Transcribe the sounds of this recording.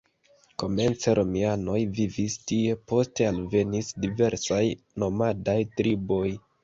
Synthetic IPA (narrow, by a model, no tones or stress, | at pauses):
ko̞me̞nt͡seɾʔo̞miano̞jvivistie̞po̞ste̞alve̞nisdive̞ɾsaj | no̞madajtɾibo̞j